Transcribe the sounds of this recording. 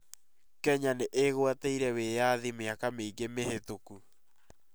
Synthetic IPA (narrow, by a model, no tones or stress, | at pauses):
kɛɲaneʔeɣwateiɾɛwejaðimeakameiɡemeɦetoku